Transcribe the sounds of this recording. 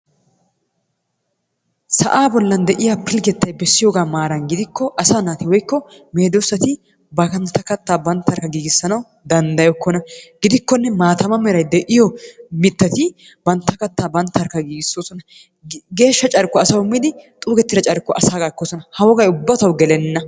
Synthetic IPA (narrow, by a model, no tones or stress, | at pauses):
sɐ̰ʔaːbɔlːɐnd̪ɛʔɪjaːpʰɪlɡɛt̪ːɐjbɛsːɪjoːɡaːmaːɾɐnɡɪd̪ɪkːɔʔɐsaːnaːt̪ɪwɔjkːɔ | me̞ːd̪osːɐt̪ɪ | bɐkɐnt̪ːɐkɐt̪ːaːbɐnt̪ːɐɾkːɐɡiːɡɪsːɐnɐw | d̪ɐnd̪ɐjɔkːɔnɐɡ̥ɪd̪ɪkːɔnːɛmaːt̪ɐmɐmɛɾɐjd̪ɛʔɪjɔmɪt̪ːɐt̪ɪ | bɐnt̪ːɐkɐt̪ːaːbɐnt̪ːɐɐɾkːɐɡiːɡɪsːoːsɔnɐ | ɡe̞ːʃːɐt͡ʃʼɐɾkːɔɐsɐwʊmːɪd̪ɪt̪ʼuːɡɛt̪ːɪɾɐt͡ʃʼɐɾkːɔʔɐsaːɡɐkːosɔnɐhɐwɔɡɐjʊbːɐt̪ɐwɡɛlɛnːɐ